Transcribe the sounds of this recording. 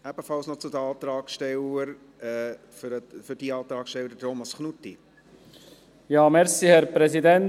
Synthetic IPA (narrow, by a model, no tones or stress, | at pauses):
æb̥əfɑlsnɔt͡sud̪əɑːt̪ɾɑːkʃtɛləɾ | ɛː | fɾfʏɾd̥iɑːt̪ɾɑːkʃtɛləɾt̪ʰomɑsχnutːi | jɑːmɛɾsihɛɾpɾɛsidɛn